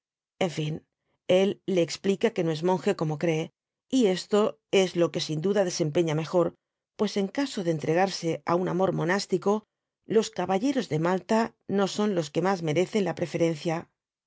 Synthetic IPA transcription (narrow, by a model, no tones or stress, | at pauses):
e̞ɱfin | e̞lːe̞ːksplikake̞no̞e̞zmõ̞ŋxe̞ko̞mo̞kɾe̞ː | ie̞st̪o̞ | e̞zlo̞ke̞sind̪uðað̞e̞se̞mpe̞ɲame̞xo̞ɾ | pwe̞se̞ŋkaso̞ð̞eːnt̪ɾe̞ɣ̞aɾse̞aunamo̞ɾmo̞nast̪iko̞ | lo̞skaβaʎe̞ɾo̞zðe̞malt̪ano̞so̞nlo̞ske̞mazme̞ɾe̞θe̞nlapɾe̞fe̞ɾe̞n̟θja